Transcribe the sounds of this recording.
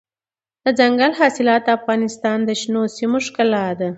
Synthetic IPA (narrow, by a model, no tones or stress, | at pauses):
d̪̥əd͡zaŋɡalɦɑsɪlɑt̪̚d̪əafɣɑnɪst̪ɑnd̪əʃnosimoʂkalɑd̪a